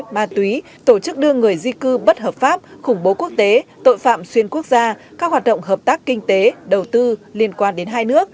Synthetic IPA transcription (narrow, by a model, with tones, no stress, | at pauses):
maː˨˩t̪wi˨˦ | t̪o˧˩t͡ɕɨ˦˥k̚ɗɨ˧əŋːɨ˨˩əjzi˧kɨ˧ɓə˦˥t̚ɦəː˨˩p̚faː˦˥p̚xʊ˧˩ŋ͡mɓo˨˦ku˦˥ək̚t̪e˨˦t̪o̰˧˨jfa̰ː˧˨mswi˧ənku˦˥ək̚zaː˧kaː˦˥k̚hwaː˨˩ɗə̰˧˨ŋ͡mɦəː˨˩p̚t̪aː˦˥kːï˧ŋ̟t̪e˨˦ɗə˨˩wt̪ɨ˧li˧ənkwaː˧nɗe˨˦nɦaː˧jnɨ˦˥ək̚